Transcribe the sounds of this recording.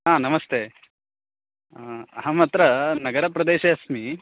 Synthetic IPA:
ɦãːnɐmɐst̪eː | ɐɦɐmɐt̪ɾɐnɐɡɐɾɐpɾɐd̪eːʃɐɐsmi

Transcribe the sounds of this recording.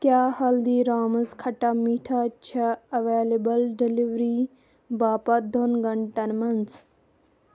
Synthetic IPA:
kjaːhɐld̪iːɾaːmɐskʰɐʈamiːʈʰat͡ʃʰɐɐʋeːlebɐlɖiliʋɾiː | baːpɐd̪onɡɐɳʈɐnmɐnt͡s

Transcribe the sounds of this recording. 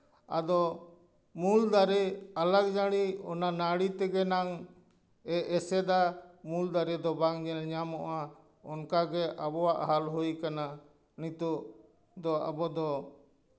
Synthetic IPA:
a̰d̪ɔ | muld̪aɾɛalaɡd͡ʒaɽiɔnanaɽit̪ɛɡɛnaŋ | ɛɛsɛd̪amuld̪aɾɛd̪ɔbaŋɲɛlɲamɔʔa | ɔnkaɡɛʔabɔwaʔɦalɦujkana | nit̪uʔ | d̪ɔa̰bɔd̪ɔ

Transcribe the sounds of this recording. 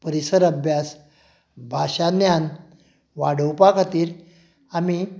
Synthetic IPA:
pəɾisəɾəbʱjas | bʱaɕanjan | ʋaɽ̤əwpakʰat̪iːɾ | ami

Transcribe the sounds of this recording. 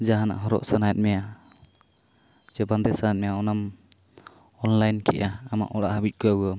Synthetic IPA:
d͡ʒaɦana̰ʔɦɔɾɔ̰ʔsanajɛt̪̚mɛja | d͡ʒɛband̪ɛsanajt̪̚mɛjaɔnam | ɔnlajnkɛ̰ʔaːma̰ʔɔɽaʔhabit̪̚kɔaua

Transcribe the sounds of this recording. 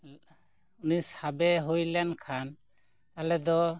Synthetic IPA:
unishabɛɦujlɛnkʰan | alɛd̪ɔ

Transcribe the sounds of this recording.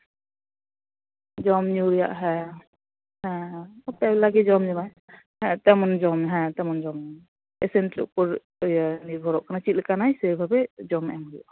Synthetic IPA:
d͡ʒɔmɲuɾija̰ʔɦɛ̃ | ɦɛ̃ɔpalaɡɛd͡ʒɔmd͡ʒɔmaj | hɛ̃t̪ɛmɔnd͡ʒɔmɦɛ̃t̪ɛmɔnd͡ʒɔm | esentlṵʔpɔɾ | niɾbʱɔɾɔʔkʰanat͡ʃilkanajseɾbʱabɛd͡ʒɔmɛ̰mɾijɔ̰ʔ

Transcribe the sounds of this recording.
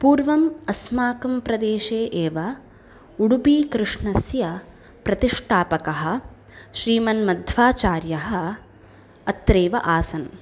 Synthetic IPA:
puːɾʋɐmɐsmaːkɐmpɾɐd̪eːʃeːʔeːʋɐ | uɽupiːkɾɪʂɳɐsjɐ | pɾɐt̪iʂʈʰaːpɐkɐɦɐ̆ | ʃɾiːmɐnmɐd̪ʱʋaːt͡ʃaːɾjɐɦɐ̆ | ɐt̪ɾeːʋɐ̰ʔaːsɐn

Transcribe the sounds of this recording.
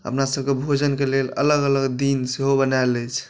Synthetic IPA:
ə̰pnasəb̚kebʱod͡ʒənkelelə̰ləɡələɡd̪inseɦobənaelɛt͡ʃʰ

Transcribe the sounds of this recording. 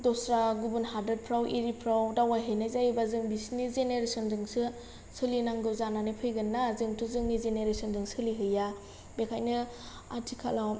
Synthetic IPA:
dɔsɾaɡubunɦadɾed̚pʰɾawʔiɾipʰɾawdawajɦɯjnazajbazɯŋbisnizeneɾesɔndɯŋsɯ | sɯlinaŋɡɯzananɯpʰɯjɡɯnːazɯŋtʰuzɯŋnizeneɾesɔndɯŋsɯliɦɯja | bekʰajnɯ | a̰tʰikʰa̰law

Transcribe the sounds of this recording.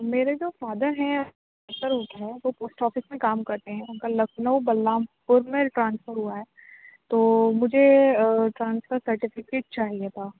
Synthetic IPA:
meːɾed͡ʒoːfaːd̪əɾɦɛ̃ʊ | t̪əɾɦoːt̪aɦɛːʋoːpoːsʈɔːfɪsmẽkaːmkɐɾt̪eɦɛ̃ʊnkalɐkʰnəubɐlːaːmpʊɾmẽʈɾãːnsfəɾɦuaɦɛːt̪oːmʊd͡ʒʱeʈɾãːnsfəɾsɐɾʈɪfɪkeːʈ̚t͡ʃaːɦiet̪ʰaː

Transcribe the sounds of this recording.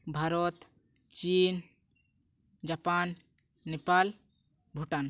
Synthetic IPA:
bʱaɾot̪ | t͡ʃin | d͡ʒapanː | epal | bʱuʈan

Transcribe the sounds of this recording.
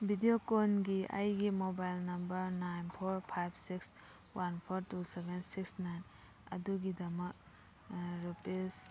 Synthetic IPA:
bʱidiokonɡiʔa̰jɡimobajlnɐmbɐɾnajnpʰoɾpʰajbsiks | wanpʰɔɾtusebensiksnajn | ɐ̰duɡidɐmɐk̚ | ɾupes

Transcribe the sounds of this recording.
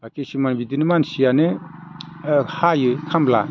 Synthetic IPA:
bakesimanbidinɯmansijanɯ | hajɯkʰambla̰

